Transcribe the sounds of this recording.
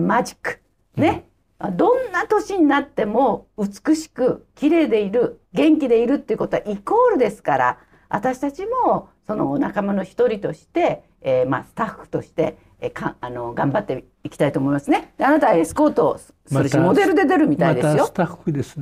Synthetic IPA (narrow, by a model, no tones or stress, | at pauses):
mad͡ʑi̥kɯ̥ | ne̞ | ad̪õ̞nːat̪o̞ɕiɲ̟inat̪ːe̞mo̞ɯt͡sɨ̥kɯ̟ɕi̥kɯ̟kʲiɾe̞ːd̪e̞iɾɯ̟ɡẽ̞ŋkʲid̪e̞iɾɯ̟t̪ːe̞iɯko̞t̪o̞aʔiko̞ːɾɯ̟d̪e̞sɨ̥kaɾa̰ | βa̰t̪aɕi̥t̪at͡ɕimo̞ | so̞no̞nakamano̞çi̥t̪o̞ɾʲit̪o̞ɕi̥t̪e̞ | ma̰sɨ̥t̪aɸːɯ̥t̪o̞ɕi̥t̪e̞̰ | kãano̞ɡãmbat̪ːe | ikʲi̥t̪ait̪oːmo̞imasɨned̪̥eanat̪aesɨ̥ko̞ːt̪o | sɨɾeɕimo̞d̪e̞ɾɯ̟d̪ed̪e̞ɾɯ̟mʲit̪ad̪esɨjost̪ad̪es